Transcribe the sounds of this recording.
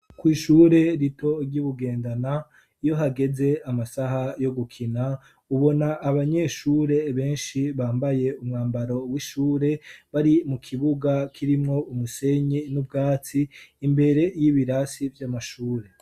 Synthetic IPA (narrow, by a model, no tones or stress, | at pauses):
kwiːʃuːɾe̞ɾitʰo̞ɾɟuβuɡe̞ːndana | ijo̞ɦaɡe̞ze̞amasaɦajo̞ɡukʰina | uβo̞naʔːβaɲe̞ʃuːɾe̞βe̞ːnʃiβaːmbaje̞umŋaːmbaɾo̞wiʃuːɾe̞βaɾimukʰiβuɡakʰiɾimŋo̞umuse̞ɲinub̚ɡaːt͡siːmbe̞ɾe̞jiβiɾasivjamaʃuːɾe̞